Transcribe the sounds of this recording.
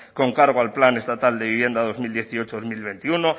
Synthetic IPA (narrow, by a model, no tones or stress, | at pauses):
ko̞ŋkaɾɣ̞oalplane̞st̪at̪ald̪e̞βiβje̞nd̪aðo̞zmild̪je̞θio̞t͡ʃoðomilβe̞nt̪iuno̞